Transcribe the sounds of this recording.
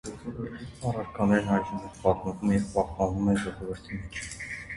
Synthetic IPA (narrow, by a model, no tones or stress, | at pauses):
ɔɔvəɾt̪ʰit͡sʰɑrɑɾkʰɑnɛɾnɦɑjʒumɔvpɑt̪məvumɛjɛvpɑhpɑnvumɛʒɔʁɔvəɾt̪ʰimɛt͡ʃʰ